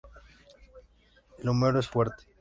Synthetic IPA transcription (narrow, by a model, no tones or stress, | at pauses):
elumeɾoesfweɾt̪e̥